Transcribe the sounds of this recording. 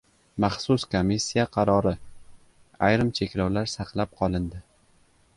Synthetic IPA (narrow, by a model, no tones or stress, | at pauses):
mɑχsʊskʰomisːijaqʰɑɾɒɾɪ | ajɾɪmt͡ʃʰe̞kʲlawlaɾsɑqlˠap̚qʰɒlˠɪnd̪ɪ